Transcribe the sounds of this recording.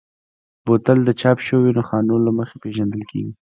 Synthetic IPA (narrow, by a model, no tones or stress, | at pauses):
bot̪ald̪ət͡ʃɑpʃowenoxɑnolaməxepeʒand̪əlkḛɡi